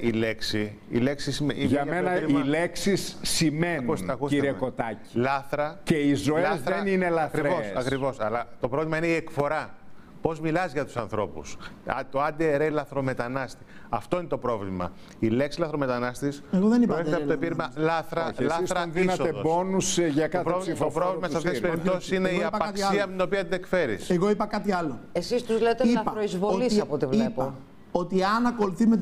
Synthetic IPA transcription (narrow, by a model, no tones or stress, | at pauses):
ile̞ksi | ḭle̞ksisimiʝɐɐenɐileksisːimeniusɐkusiɾiekot̪ɐci̥lɐθɾɐceizo̞eɐzθɾeninelɐθkɾiɾvosɐkɾivo̞sɐlɐt̪o̞pɾo̞vlimɐineiekfo̞ɾɐ | po̞zmilɐzʝɐt̪u̥sɐnθɾo̞pust̪o̞ɐd̪eeɾelɐθɾo̞me̞t̪ɐnɐst̪i̥ | ɐft̪o̞ine̞t̪o̞pɾo̞vlimɐ̰ | ileksilɐθɾome̞t̪ɐnɐst̪iseɣoðenipɐefet̪eɐootoepiɾimɐlɐθɾɐlɐsɾɐnðinɐsoeðobonusʝɐkɐpɾovlopɾovlimɐssɐft̪essspeɾip̪osi̥ssineɣiɐpɐpɐt̪ksɐliɐt̪ino̞piɐt̪ine̞kfe̞ɾḭseɣo̞ipɐkɐt̪iɐloesist̪uzlet̪eiɐɐɾoizvoolisɐpot̪ivliepo | ot̪iɐnɐko̞luθimet̪